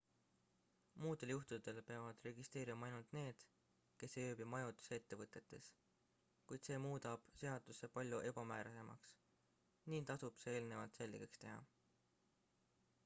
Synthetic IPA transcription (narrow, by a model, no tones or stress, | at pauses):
muːd̪e̞ljuht̪ud̪e̞lpe̞ɑvɑd̪̥re̞ɡ̥ist̪e̞ːɾimɑɑjnult̪ne̞ːd̪̥ | ke̞sjøːbimɑjod̪̥u̥see̞t̪ːe̞vɤt̪ːˑe̞t̪ːˑe̞s | kujd̪̥se̞ːmuːd̪̥ɑb̥se̞ɑd̪̥usepɑlʲjuʔe̞b̥ɑmæːɾɑse̞mɑ̰ks | niːnt̪ɑsub̥seeːlne̞vɑlt̪se̞lːiɡ̥ekst̪e̞ɦɑ̰